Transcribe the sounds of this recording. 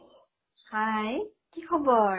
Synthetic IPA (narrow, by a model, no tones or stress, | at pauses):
haj | kikʰɔbɔ